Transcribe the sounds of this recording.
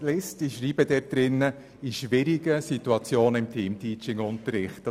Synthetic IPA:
lɪstɪʃɾiːb̥ədɛt̚d̪̥ɾɪnːə | iʃʋɪɾɪɡəsituɑt͡sjoːnəɪmtʰiːmtʰiːt͡ʃɪŋʊntəɾɪχtə

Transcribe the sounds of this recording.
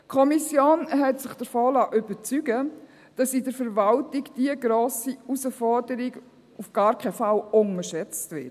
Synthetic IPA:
kʰɔmisjoːnɦɛtsɪχd̥əɾfɔːlaʔʏbət͡syɡə | d̥ɑsidəɾfəɾvaltɪɡd̥iəɡɾoːsiusəfɔɹdəɾiɡ | ufɡ̥ɑːɾkʰɛfalʊnəʃɛt͡stvɪ̰t

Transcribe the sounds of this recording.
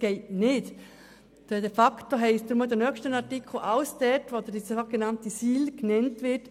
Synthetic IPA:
ɡ̥ɛɪtnɪt | d̥ɛdɛfɑktoɦɛɪsd̪ɾməd̪ənœkʃtənɑɾtikʰl̩ʔɑləsd̥ɛtʋod̪ədisoɡ̥enɑntisiːlknɛntʋɪɾt

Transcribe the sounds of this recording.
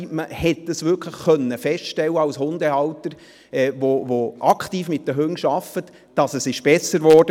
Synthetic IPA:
məhɛtdəsʋʏɾkʰləχːœnːəfɛstʃtɛlːəɑwshʊnd̪ɛɑwtəɾ | ɛːʋovoʔɑkχtiːfmɪt̚d̥əɦøŋʃɑfət | d̥ɑsəsɪʃb̥ɛsəɾʋɔrd̥ə

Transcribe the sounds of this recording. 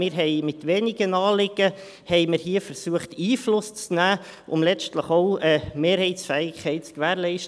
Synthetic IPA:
mɪɾɦɛjmɪt̪ʋeːnɪɡənɑːlɪɡə | hɛɪmɪɾhiːəfəɾsuəχtiːflʊst͡snæː | ʔʊmlɛt͡ʃtləχoʊəmeːɾhɛɪtsfɛːɪkʰːɛɪtt͡skʋæːɾlɛɪʃt

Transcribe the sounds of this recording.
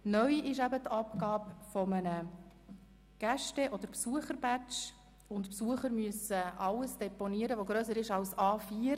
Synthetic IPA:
nœʏʔɪʃæbətɑpɡɑːpfɔmənə | ɡ̥æʃtɛʔɔd̥̪əɾpsuəχəɾbæt͡ʃ | ʊntpsuəχəɾmyəsəʔɑlːəsd̥ɛpɔniəɾəʋoɡɾøːsəɾɪʃɑlsɑːfiːəɾ

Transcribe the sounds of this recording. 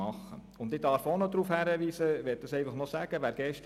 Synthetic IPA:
ɑχːə̰ | ʊnd̪ɪdɑɾfonod̪ɾuːfhæɾəʋiːsəʋɛt̚d̥ɑsɛɪfɑχnɔsæːɡ̥əʋæːɾɡ̥ɛʃt

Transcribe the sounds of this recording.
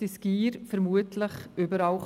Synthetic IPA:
ɪsɡ̥iːɾfɛɾmuətʰləχʏbəɾɑʊχ

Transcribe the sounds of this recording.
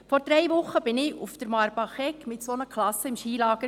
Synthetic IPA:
fɔɾd̥ɾɛjʋʊχːəb̥ɪnɪufd̥̪əɾmɑɾbɑχɛkmɪtsonəkʰlɑsːəɪmʃiːlɑːɡ̥ə

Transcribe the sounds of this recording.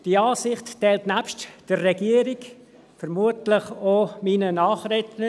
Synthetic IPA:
d̥iɑːsɪχttɛːltnæpʃtd̥ərːɛɡiəɾik | fəɾmuətlɪχomiːnənɑːχɾɛtnə

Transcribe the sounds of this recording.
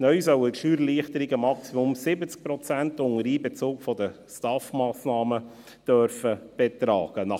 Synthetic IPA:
nœʏsœwətʃyːɾliəχtəɾiɡəmɑksimʊmsɪbət͡sk̚pɾɔt͡sæntʊŋəɾiːbɛt͡soːkfɔd̪ə | stɑfmɑːsnɑːmə | d̪̥œɾfəb̥ɛt̪ɾɑːɡ̥ənɑ

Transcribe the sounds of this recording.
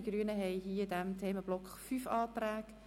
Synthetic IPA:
iɡ̥ryːənəɦɛjɦiːdæmtʰeːməb̥lɔkχfyːfɑːt̪ræːɡ̥

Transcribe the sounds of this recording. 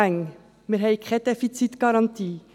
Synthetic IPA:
ɛŋ | meɾɦɛɪkʰɛd̥̪efit͡sit̪ɡ̥ɑɾɑnt̪ʰiː

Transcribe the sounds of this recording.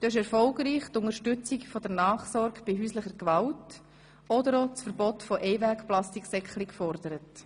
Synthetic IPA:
d̥̪oːɪʃɛɾfɔlɡɾiːχt̪ʊnəɾʃtʏt͡sikfɔd̥ənɑːχsɔɾɡb̥iɦyːsləχəɡʋɑlt | ɔdəɾɔt͡sfəɾbɔtfɔʔɛɪvækplɑstiksɛklɪkfɔrdəɾət

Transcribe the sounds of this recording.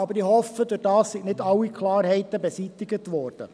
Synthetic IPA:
ɑbəɾihɔfədʊrdɑːssiɡnɪdɑwːikʰlɑːɾhɛɪt̪əbɛsiːt̪ɪɡətʋɔːɾd̥ə̰

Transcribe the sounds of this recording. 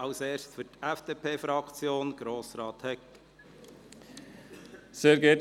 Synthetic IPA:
ɑʊseːɾstfytæfd̥eːpʰeːfɾɑkt͡sjoːnɡ̥ɾoːsɾɑːt̪hɛk | sɛɾɡet

